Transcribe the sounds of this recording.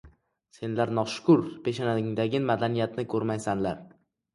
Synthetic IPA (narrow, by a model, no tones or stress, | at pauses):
se̞nlaɾnɒʃʊ̥kʰʊɾpʰe̞ʃanaɪŋd̪aɡʲɪmad̪anijat̪nɪkʰɵɾmajsanlaɾ